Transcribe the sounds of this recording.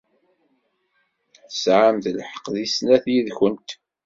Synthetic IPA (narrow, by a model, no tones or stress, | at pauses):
θə̥sʕamθlħə̥qðisnæθjiðçənt̪